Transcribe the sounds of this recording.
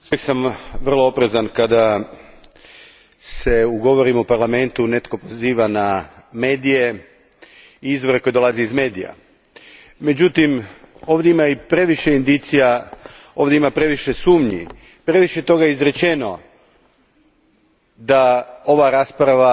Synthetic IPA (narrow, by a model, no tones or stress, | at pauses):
usujeksamʋr̩lˠoopɾezankad̪a | se̞uɡo̞ʋoɾimupaɾlame̞nt̪une̞t̪ko̞po̞ziːʋaname̞ːd̪ije̞ | iizʋo̞ɾeko̞jed̪o̞lˠaziizme̞ːd̪ija̰ | me̞d͡ʑut̪im | o̞ːʋd̪ʲjeimaipɾe̞ʋiʃe̞ind̪it̪sija | o̞ːʋd̪ʲeimapɾe̞ʋiʃesuːmɲḭ | pɾe̞ʋiʃe̞t̪o̞ɡajizɾe̞t͡ʃe̞no | d̪ao̞ʋaɾaspɾaʋa